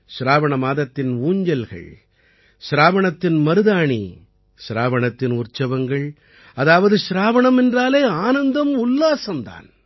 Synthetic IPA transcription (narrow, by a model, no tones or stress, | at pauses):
ʃɾaːʋɐɳɐmaːðɐt̪ːɪnuːɲd͡ʒɐlɣɐ̰ɭ | ʃɾaːʋɐɳɐt̪ːɪnmɐɾɯðaːɳḭ | ʃɪɾaːʋɐɳɐt̪ːɪnʊrt͡ʃɐʋɐŋɡɐɭ | ɐðaːʋɐðɯʃɪɾaːʋɐɳɐmɛndraːleːaːnɐnd̪ɐmʊlːaːsɐmd̪a̰ːn